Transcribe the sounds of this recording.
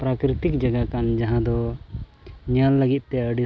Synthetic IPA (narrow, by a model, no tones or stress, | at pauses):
pɾakɾit̪ikd͡ʒɐɡakand͡ʒaɦãd̪ɔ | ɲalːəɡit̪̚ˀt̪ɛəɖi